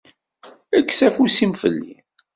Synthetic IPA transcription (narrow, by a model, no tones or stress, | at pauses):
ækːsæfusimfə̰lːḭ